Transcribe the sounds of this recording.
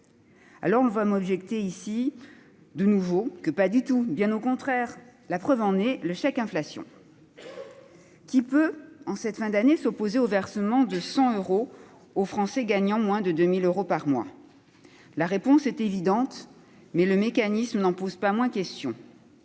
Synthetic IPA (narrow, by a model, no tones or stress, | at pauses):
a̰lɔʁɔ̃vamɔbʒɛkt̪eisi | d̪ənuvokəpad̪yt̪ubjɛ̃nokɔ̃t̪χɛʁlapχœvɑ̃nɛləʃakɛ̃flasjɔ̰̃ | kʲipøɑ̃sɛt̪fɛ̃d̪anesɔpozeovɛʁsəmɑ̃d̪əsɑ̃øʁo | ofχɑ̃sɛɡaɲɑ̃mwɛ̃d̪əd̪ømiløʁopaʁmwa̰ | laʁepɔ̃sɛt̪evid̪ɑ̃t̪ | mɛləmekanismnɑ̃pozpamwɛ̃kʲɛst̪jɔ̃